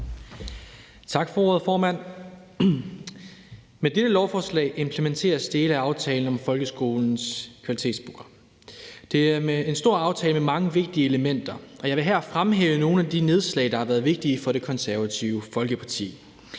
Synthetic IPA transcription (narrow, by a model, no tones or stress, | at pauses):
t͡sʰɑ̈ɡ̥fɒ̽o̝ɐð̞̩ˠfɒːmæn̰ | med̥eɾ̥əlɒʊfɒːslɛ̰ɪʔe̝mpʰlement͡sʰe̝̰ːɐsd̥e̝ːləæɑ̈ʊt͡sʰɛːln̩ɒ̽mfɒ̽lɡ̥əsɡ̥o̝ːln̩skʰʋælit͡sʰe̝̰ːd̥sb̥uɡɐ | d̥e̝æɐmee̝nsd̥o̝ɐ̰ɑ̈ʊt͡sʰɛːləmemɑ̈ŋəʋe̝ɡ̥̚d̥iəeləmen̰d̥ɐɒ̽jɑ̈ɪʋe̝ɦæɐ̰fʁamɦeːʊəno̝ːn̩æd̥ine̝ð̞ˠslɛ̰ɪd̥ɑ̈hɑʋæːɐðˠʋe̝ɡ̥̚d̥iːfɒ̽ɾ̥e̝kʰɒ̽nsæɐʋæt͡sʰiʊəfɒ̽lɡ̥əpʰɑ̈t͡sʰḭː